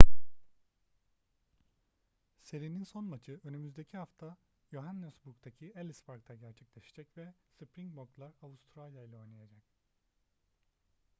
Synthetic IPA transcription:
se̞ɾininso̞nmat͡ʃʰɯø̞nymyzd̪e̞cʰihaft̪ʰa | joɦanːɛsbukt̪ʰacʰielʲisfaɾk̚t̪ʰaɟæɾt͡ʃʰɛclʲɛʃed͡ʒɛcvɛsɯpɾiŋboklˠaɾavust̪ʰɾalʲjailʲˠao̞jnˠajad͡ʒac

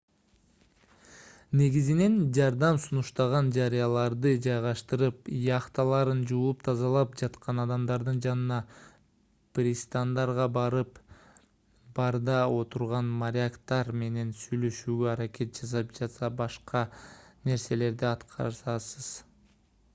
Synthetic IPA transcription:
ne̞ɡizine̞nd͡ʒɑɾd̪ɑmsunuʃt̪ɑʁɑnd͡ʒɑɾijɑlˠɑɾd̪ɯd͡ʒɑjʁɑʃt̪ɯɾɯpjɑqt̪ɑlˠɑɾɯnd͡ʒuːlˠupt̪ʰɑzɑlˠɑpd͡ʒɑt̪qɑnɑd̪ɑmd̪ɑɾd̪ɯnd͡ʒɑnɯnɑ | prʲist̪and̪ɑɾʁɑbɑɾɯp | b̥ɑɾd̪ɑo̞t̪uɾʁɑnmaɾʲɪakt̪ɑɾme̞ne̞nsyjlø̞ʃyːɡøɑɾake̞t̪̚d͡ʒɑsɑp̚d͡ʒɑt̪sɑbɑʃqɑne̞ɾse̞le̞ɾd̪iɑt̪qʰɑ̰ɾsɑsɯz̥

